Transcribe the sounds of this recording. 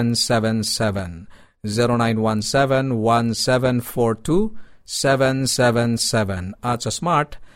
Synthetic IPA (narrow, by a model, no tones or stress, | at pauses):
nsɛʋɛ̃nsɛʋɛ̃n | ziɾonãjnwãnsɛʋɛ̃nwãnsɛʋɛ̃nfɔɾʈusɛʋɛ̃nsɛʋɛ̃nsɛʋɛ̃nat͡ʃəsmaɾʈ